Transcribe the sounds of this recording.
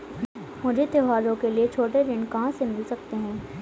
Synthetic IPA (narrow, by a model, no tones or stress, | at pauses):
mʊd͡ʒʱet̪eɦaːɾõkeliet͡ʃʰoːʈeɾɪ̃ɳkɐɦãsemɪlsɐk̚t̪eɦɛ̃ː